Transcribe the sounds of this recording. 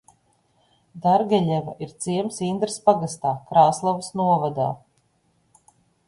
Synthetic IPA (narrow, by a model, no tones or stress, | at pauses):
d̪aɾɡʲɛʎʲɛva̰ʔiɾt̪siɛmsind̪ɾspaɡast̪aːkɾaːslˠavsnuɔvad̪aː